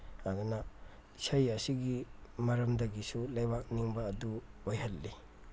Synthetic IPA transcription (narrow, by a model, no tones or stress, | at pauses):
ad̪una | sɐjɐsiɡimɐɾɐmdɐɡisulɐjbak̚niŋbɐːduojhɐlːi